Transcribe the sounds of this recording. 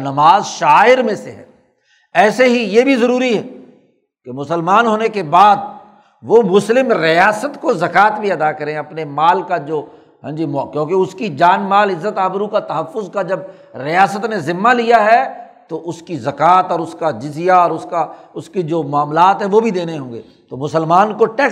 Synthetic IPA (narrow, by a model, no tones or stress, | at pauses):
nɐmaːzʃaːɪɾmẽseɦɛ̰ː | ɛːseɦijebʱizɐɾuːɾiɦɛː | kemʊsəlmaːnɦoːnekebaːd̪̚ | ʋomʊslɪmɾɪjaːsət̪kozɐkaːt̪bʱiɐd̪akɐɾẽɐpnemaːlkad͡ʒoː | ɦɛ̰̃ːd͡ʒimkjõːkeʊskid͡ʒaːnmaːlɪzːət̪aːbɾukat̪ɐɦəfːʊzkad͡ʒɐb̚ | ɾɪjaːsət̪nezɪmːalijaɦɛ | t̪oʔʊskizɐkaːt̪ɔːɾʊskad͡ʒɪzijaɔːɾʊskaʊskid͡ʒoːmʊaːmlaːt̪ɦɛ̃ʋobʱid̪eːneɦõːŋɡḛːt̪omʊsəlmaːnkoʈeː